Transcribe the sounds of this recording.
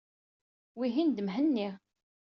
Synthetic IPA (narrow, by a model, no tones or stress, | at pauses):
wiɦind̪əmɦənːiʁ